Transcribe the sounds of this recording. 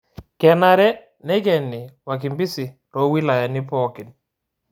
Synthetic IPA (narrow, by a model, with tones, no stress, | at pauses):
kɛ˨na˨ɾɛ˦ | nɛ˦kɛ˨ni˨wa˨k̬i˨mbi˦si˨ | ɾo˦wi˦la˨ja˨ni˦pɔ˦kɪ˨n